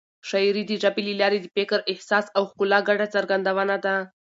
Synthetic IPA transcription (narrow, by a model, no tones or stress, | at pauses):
ʃajɾid̪əʒabilelɑɾed̪əpekəɾʔɪhsɑsawxkulɑɡaɖat͡saɾɡand̪awanad̪a